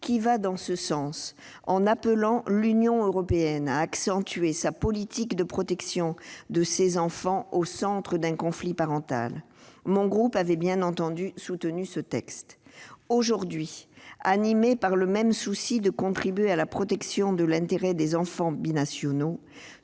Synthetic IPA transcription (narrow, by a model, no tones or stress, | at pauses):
kʲivad̪ɑ̃səsɑ̃s | ɑ̃napəlɑ̃lynjɔ̃øʁɔpeɛnaːksɑ̃t̪ɥesapɔlit̪ikd̪əpχɔt̪ɛksjɔ̃d̪əsezɑ̃fɑ̃osɑ̃t̪χəd̪ɛ̃kɔ̃flipaʁɑ̃t̪a̰l | mɔ̃ɡʁupavɛbjɛ̃nɑ̃t̪ɑ̃d̪ysut̪ənysət̪ɛkst̪oʒuʁd̪ɥianimepaʁləmɛmsusid̪əkɔ̃t̪χibɥealapχɔt̪ɛksjɔ̃d̪əlɛ̃t̪eʁɛd̪ezɑ̃fɑ̃binasjɔno